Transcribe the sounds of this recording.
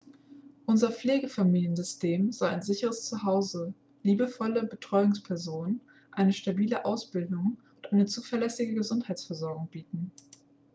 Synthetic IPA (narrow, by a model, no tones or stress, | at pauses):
ʔʊnzɐp͡fleːɡəfamiːljənzʏstʰeːmzɔla̰ɪnzɪçəʁəst͡suɦaʊzə | liːbəfɔləbətʁ̥ɔʏʊŋspʰɛɐzoːnn | ʔaɪnəʃtabiːləʔaʊsb̥ɪldʊŋʔʊntʔaɪnət͡suːfɛɐlɛsɪɡəɡəzʊnthaɪtt͡sfɛɐzɔɐɡʊŋb̥iːtn̩